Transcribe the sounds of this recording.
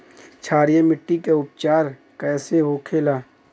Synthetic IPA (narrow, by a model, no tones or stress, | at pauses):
t͡ʃʰaːɾjemɪʈːikeʊpt͡ʃaːɾ | kɛːseɦoːkʰeːlaː